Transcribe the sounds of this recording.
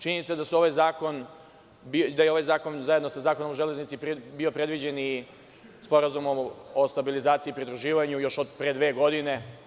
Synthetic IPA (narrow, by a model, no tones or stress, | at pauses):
t͡ʃiɲnit̪sad̪asuo̞ʋajzaːko̞n | bid̪ajeo̞ʋajzaːko̞nzajed̪nosazaːko̞nomoʒe̞le̞znit̪sipbiopɾe̞d̪ʋid͡ʑe̞ni | spo̞ɾazumomost̪abilizaːt̪siːpɾid̪ɾuʒiːʋaɲujo̞ʃod̪pɾed̪ʋe̞ːɡo̞d̪ine̞